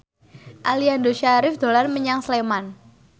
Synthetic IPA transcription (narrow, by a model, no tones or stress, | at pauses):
ʔaliandoʃaɾɪfd̪̥o̤lanməɲaŋsleman